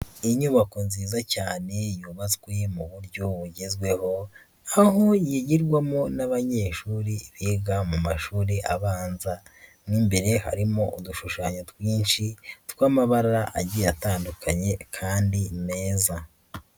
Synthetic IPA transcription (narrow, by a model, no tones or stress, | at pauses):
iɲuβakonziːzacaːne̞juːβazɡwe̞muβuɾɟo̞βuɟe̞zɡwe̞ho̞ | aɦojiɟiɾɡwamo̞naβaɲe̞ːʃuːɾiβiːɡamumaʃuːɾiʔa̰βaːnzanimbe̞ɾe̞ha̰ɾimo̞ʔuduʃuʃaːɲotwiːnʃitwaːmaβaɾaɾaʔa̰ɟijataːndukʰaɲe̞kʰaːndime̞ːza